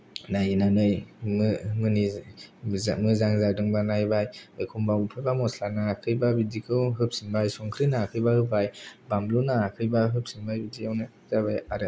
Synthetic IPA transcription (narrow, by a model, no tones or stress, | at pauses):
najnanɯjmɯmɯni | mɯzaŋzadɯŋbanajbajɯjkʰumbapʰɯjbamɔslanaːkʰɯjbabidikʰɯwɦɯp̚sinbajsɔŋkʰɾinaːkʰɯjbahɯp̚ʰajbamlunaːkʰɯjbaɦɯp̚sinbajbidiawna | zabajaɾɯ